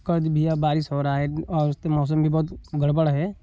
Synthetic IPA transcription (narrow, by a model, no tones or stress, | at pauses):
kəɾd̪bʱijabaːɾɪsɦoːɾaːeɔːɾʊst̪emɔːs̬əmbʱibɔɦʊt̪ɡʱɐɽbəɽɦɛː